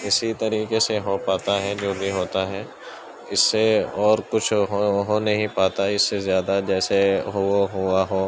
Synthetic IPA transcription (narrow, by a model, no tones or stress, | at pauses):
ɪsit̪ɐɾiːkeseɦopaːt̪aɦɛd͡ʒoːbʱiɦoːt̪aɦɛː | ɪsːeɔːɾkʊt͡ʃʰɦoɦõnɐɦĩpaːt̪aɪsːezjaːd̪ad͡ʒɛːseɦooɦuaɦoː